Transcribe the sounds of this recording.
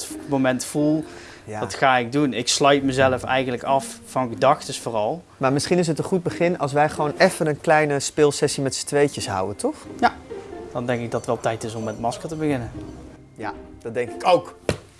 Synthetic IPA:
momɛntfulˠ | jaːdɑtxaːɪɡ̚dunɪkslœɥtməzɛləfɛ̰jɣənləkɑffɑnɣədɑxtəsfoːrɑlˠ | maːɹmɪsχinɪs̬ɦətənχud̚bəχɪnɑlˠsʋɛjχəʋownɛfənənklɛjnəspɪːlˠsɛsimɛtstʋejcəsɦʌ̰wəntɔχjad̥ɑndɛŋkɪɡ̚dɑttʋɛlˠtɛjtɪsɔmːɛtmɑskətəbəɣɪnən | jad̥ɑdɛŋkɪkowk

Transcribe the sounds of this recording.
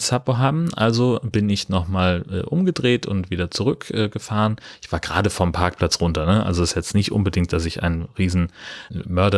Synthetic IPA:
sapoɦaːbm̩ʔa̰lzobɪnɪçnɔχmaːlʔɛ̰ːʔʊmɡədʁeːtʊ̰ntv̥iːdɐt͡suʁ̞ʏkʔɛːɡ̥əfaːʁənʔɪçv̥aːɐɡʁa̰ːɾəfɔmpʰaɐk̚pl̥at͡sʁʊntɐnəʔa̰lzoɪsjɛt͡stnɪçtʔʊ̰nbədɪŋkt̚d̥asɪça̰ɪnnʁiːzn̩mœɐɾɐ

